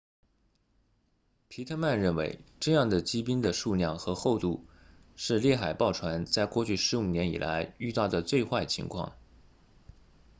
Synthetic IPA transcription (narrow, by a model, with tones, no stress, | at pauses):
pʰi˧˥t̪ʰɤ˥ma˥˧nɻə˥˩nwḛ˧˥ɪʈ͡ʂɤ˥˧jɑ˥˩ŋd̪ə˩t͡ɕi˥pi˥nd̪ə˨ʂu˥˧ljɑ˥˩ŋxɤ˧˥xo˥˧ʊt̪u˥˧ | ʂɻ̩˥˧ljɛ˥˩xa˨˩ɪpɑ˥˩ʊʈ͡ʂʰwa˧˥nt͡sa˥˧ɪkwɔ˥˧t͡ɕʰy˥˩ʂɻ̩˧˥u˨˩njɛ˧˥nḭ˨˩lʔa̰˧˥ɪy˥˧t̪ɑ˥˩ʊd̪ə˩t͡swe˥˧ɪxwa˥˩ɪt͡ɕʰḭ˧˥ŋkʰwɑ̰˥˩ŋ